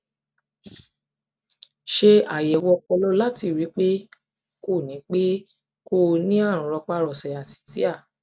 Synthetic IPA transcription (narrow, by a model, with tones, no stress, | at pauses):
ʃe˧a˨jɛ˨wɔ˧kɔ˧lɔ˦la˦ti˧˨ɾi˨˦k͡pe˦ | ko˦˨nĩ˨˦k͡pe˦ | ko˦˨nĩ˦ã˦˨ũ˨ɾɔ˧k͡pa˧ɾɔ˨sɛ˨a˨ti̥˨ti˨˦a˦˨